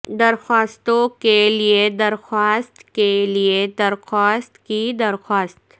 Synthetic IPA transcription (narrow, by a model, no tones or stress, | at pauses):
d̪ɐɾxaːst̪õkelied̪ɐɾxaːst̪kelied̪ɐɾxaːst̪kid̪ɐɾxaːst̪